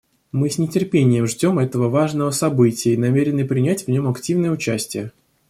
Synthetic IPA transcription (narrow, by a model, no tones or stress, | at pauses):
mɨsʲnʲɪtʲɪrpʲenʲɪjəmʐdʲo̞mɛt̪əvəvaʐnəvəsɐbɨtʲɪjəinɐmʲeɾʲɪnɨpɾʲɪnʲætʲvnʲo̞mɐktʲivnəjəʊt͡ɕæsʲtʲɪjə